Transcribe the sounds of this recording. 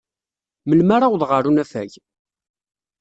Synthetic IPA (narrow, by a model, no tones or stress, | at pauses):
məlmaɾawðʁəɾunæfæ̰ʝ